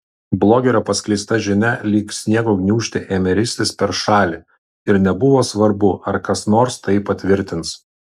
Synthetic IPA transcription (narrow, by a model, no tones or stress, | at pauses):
blˠoːɡʲeːɾɐpɐsʲklʲɛɪst̪ɐʒʲɪnʲɛlʲiːksnʲiɛkoːɡʲnʲuːʃʲt̪ʲɪʔeːmʲɛɾʲɪsʲt̪ʲɪspʲɛɾʃɑːlʲi | ɪɾnʲɛbʊʋoːsʋɐɾbʊʔɐɾkɐsnoːɾst̪ɐɪpɐt̪ʲʋʲɪɾʲt̪ʲɪns